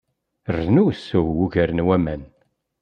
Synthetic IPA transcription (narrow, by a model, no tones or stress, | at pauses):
rnusːʊwwuʝəɾənwæmæn